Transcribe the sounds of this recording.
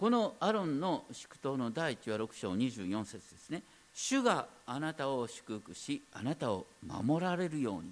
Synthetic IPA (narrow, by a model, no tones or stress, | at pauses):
ko̞no̞aɾõ̞nːo̞ɕi̥kɯ̥t̪o̞ːno̞d̪aiːt͡ɕiβaɾo̞kɯ̟̥ɕo̞ːɲ̟iʑɨ̰ːjõ̞ɰ̃se̞t͡sɨd̪e̞sɨne̞ | ɕɨɡaːnat̪ao̞ɕɨ̥kɯhɯ̥kɯ̟ɕianat̪ao̞ma̰mo̞ɾaɾe̞ɾɯ̟jo̞ːɲ̟i